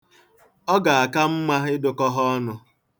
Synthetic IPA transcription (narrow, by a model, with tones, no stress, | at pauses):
ɔ˦ɡa˨a˨ka˦m̩˦ma˦ɦɪ˦dʊ˦kɔ˦ɦɔ˦ɔ˦nʊ˦